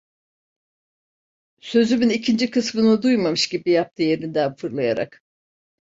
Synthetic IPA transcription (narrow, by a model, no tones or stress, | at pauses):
sø̞zymynicʰind͡ʒikʰɯsmɯnɯd̪ujmamɯʃɟibijap̚t̪ʰɯje̞ɾind̪ænfɯɾlˠajaɾa̰k